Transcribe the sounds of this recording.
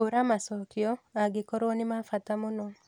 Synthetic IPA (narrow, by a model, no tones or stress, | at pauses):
oɾamasɔkiɔaɡekɔɾoːnimafatamuno